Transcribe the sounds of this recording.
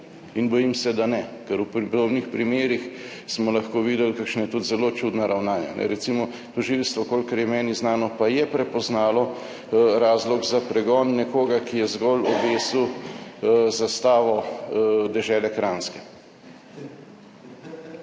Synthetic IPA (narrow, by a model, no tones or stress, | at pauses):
inbɔjimsɛd̪anɛkɛɾuppd̪oːbnixpɾimeːɾix | smɔlaxkoːʋiːd̪ɛlkakʃnajɛt̪ut̪zɛlot͡ʃud̪naɾawnaːnja̰nʔɛ̰ɾɛsimɔ | t̪ɔʒilst̪ʋɔkoːlkaɾjɛmɛːniznaːnɔpajɛpɾɛpɔznaːlɔ | ɾaːzlɔɡzapɾɛɡɔːnːɛkoːɡakijɛzɡɔlɔbeːsu | zast̪aːʋɔ | d̪ɛʒɛːlɛkɾanskɛ